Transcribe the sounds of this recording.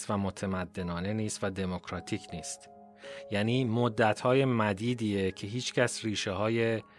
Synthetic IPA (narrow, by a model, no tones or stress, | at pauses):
t̪væmot̪ʰemæd̪ːe̞nɒːne̞niːst̪væd̪e̞mokʰɾɒːt̪ʰiːcʰniːst̪ | jæːniːmod̪ːæt̪ʰhɒːje̞mæd̪iːd̪iːecʰe̞ɦiːt͡ʃcʰæsriːʃeɦɒːje̞